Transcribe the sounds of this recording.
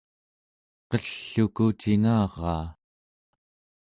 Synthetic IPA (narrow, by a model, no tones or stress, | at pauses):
qʌɬːukut͡ʃiŋɑːʁɑː